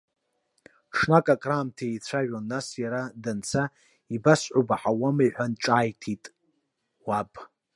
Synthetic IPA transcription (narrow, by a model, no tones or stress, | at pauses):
ʂnakʼakʼraːmtʰeejt͡sʷʰaʒᶣanːasjaɾadant͡sʰa | ibasʕʷobaħawamajħʷᶣanʈ͡ʂʼaːjtʰitʼ | wapʼ